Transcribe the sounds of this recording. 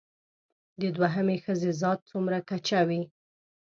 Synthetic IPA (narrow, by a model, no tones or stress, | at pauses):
d̪əd̪waɦəmexəzezɑt̪̚t͡sumɾakat͡ʃawi